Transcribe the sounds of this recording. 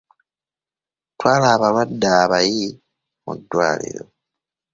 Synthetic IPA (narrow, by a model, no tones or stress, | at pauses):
twaːlaːβalwadːaːβaji | mṵdwa̰ːlḭɾo̰